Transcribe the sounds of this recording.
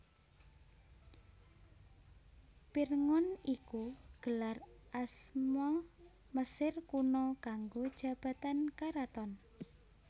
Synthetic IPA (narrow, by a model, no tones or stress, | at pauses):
pirŋɔnikuɡ̥əlarʔasmɔ | məsɪrkunɔkaŋɡod̥ʒ̥a̤b̥a̤t̪ankaɾat̪ɔn